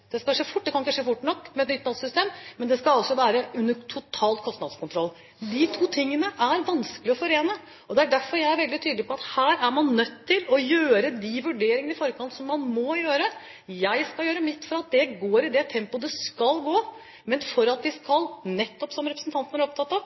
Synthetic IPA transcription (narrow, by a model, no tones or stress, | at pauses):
d̪̥ɛskɑʂeːfʊʈ̚ːd̪ɛkʰɑnɪkːəʂeːfʊʈːɳɔkːmɛt̪nʏt̪nɑd̪sʏst̪eːmmɛnd̪ɛskɑɑlsɔʋæːɾəʉnːəʈʰʊt̪ʰɑːlt̪̚kʰɔst̪nɑd̪skʊnt̪ʰɾɔlː | d̪ɪt̪ʰuːt̪ʰɪŋːənəʔæɾʋɑnskəlɪɔfɔɾeːnə | ɔd̪ɛæɖæɾfɔɾjæɪæɾʋɛld̪ɪt̪ʰyːd̪lɪpʰɔɑt̪hæːɾæɾmɑnnœt̪ʰːɪlɔjøːɾəd̪iʋʉɖeːɾɪŋən̩ɪfɔɾːəkʰɑnt̪sɔmːɑnmɔjøːɾə | jæɪskɑljøːɾəmɪt̪ːfɔɾɑt̪̚d̪ɛɡoːɾɪd̪ɛt̪ʰɛmpʊd̪ɛskɑlɡoː | mɛnfɔɾɑt̪̚d̪ɪskɑlnɛt̪ːɔpsɔmɾɛpɾsn̩t̪ʰɑnt̪næɾɔpt̪ʰɑt̪ːɑʋ